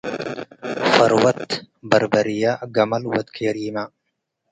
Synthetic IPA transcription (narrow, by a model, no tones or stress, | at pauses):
fɐɾwɐt̪ | bɐɾbɐɾɪjaːɡɐmɐlwɐt̪kʰeːɾiːmaː